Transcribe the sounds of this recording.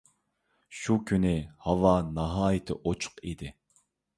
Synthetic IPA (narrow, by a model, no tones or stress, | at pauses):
ʃukʲʰynɪhɑwɑnɑɦɑːjɪt̪ʰɪ̰ʔot͡ʃʰʊ̥qid̪ɪ